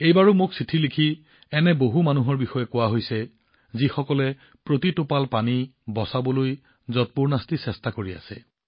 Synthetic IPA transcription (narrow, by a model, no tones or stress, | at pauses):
ejbaɹʊmʊksitʰilikʰi | ɛnɛboɦumanuɦɔɹbixɔjɛkʊwaɦojsɛ | zixɔkɔlɛ | pɹotitopalpanibɔsabɔloj | zɔt̚puɹnastisɛstakoɹia̰sɛ̰